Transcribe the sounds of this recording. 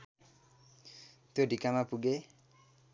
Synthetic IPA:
t̪oɖikamapuɡe

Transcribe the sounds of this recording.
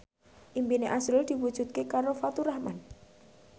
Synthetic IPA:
ʔimpineʔasɾʊld̪̥i̤wud̥ʒ̥ṳt̪̚kekaɾofat̪uɾahma̰n

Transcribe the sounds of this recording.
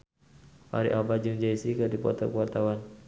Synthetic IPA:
a̰ɾḭʔabad͡ʒuŋd͡ʒaisikərdipɔ̰t̪ɔkuwart̪awan

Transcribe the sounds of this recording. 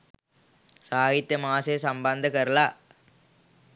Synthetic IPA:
saːɣɪt̪ːɐmaːseːsɐmbɐnd̪ɐkɐɾlaː

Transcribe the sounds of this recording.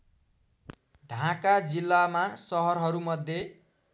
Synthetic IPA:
ɖʱãkad͡zilːamasʌɦʌrɦʌɾumʌd̪ʱje

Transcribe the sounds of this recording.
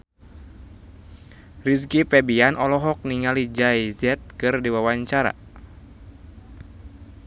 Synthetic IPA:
ris̬kipɛbianʔɔlɔɦɔk̚niŋalid͡ʒajzɛt̪̚kɨrdiwawaɲt͡ʃaɾa̰

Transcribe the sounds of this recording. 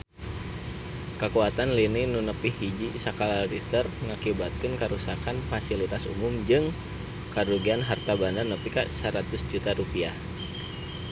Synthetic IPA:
kəkuat̪anlininunəpihid͡ʒisakalalrist̪ərŋakibat̪̚kənkəɾusakanfasilit̪asṵmʊmd͡ʒɨŋ | kəduɡianɦart̪abananəpikasəɾat̪ʊsd͡ʒut̪aɾupiah

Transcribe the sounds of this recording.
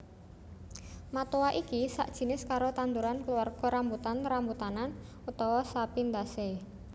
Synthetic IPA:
mat̪owaʔikisa̰ʔd̥ʒ̥i̤nɪskaɾot̪and̪uɾankəluwarɡ̥ɔ̤ɾambut̪anɾambut̪anan | ut̪ɔwɔsapind̪ase

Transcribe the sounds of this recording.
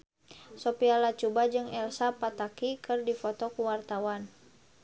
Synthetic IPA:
sɔpialat͡ʃubad͡ʒɨŋɛlsapat̪akikɨrdifɔt̪ɔkuwart̪awan

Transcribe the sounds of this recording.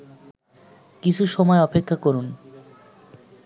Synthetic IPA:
kit͡ɕʰuʃɔmɔeɔpekʰːakoɾun

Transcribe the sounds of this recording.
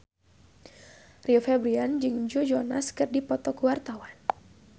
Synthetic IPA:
riofɛbɾiand͡ʒɨŋd͡ʒod͡ʒɔnaskɨrdipɔt̪ɔkwart̪awan

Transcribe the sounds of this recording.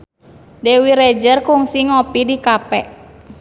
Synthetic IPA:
dɛwiɾɛd͡ʒərkuŋsiŋɔpidikapɛʔ

